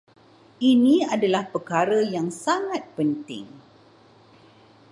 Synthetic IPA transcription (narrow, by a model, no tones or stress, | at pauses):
inĩadalahpərkaɾəjaŋsaŋãt̪̚pənt̪ɪ̰ŋ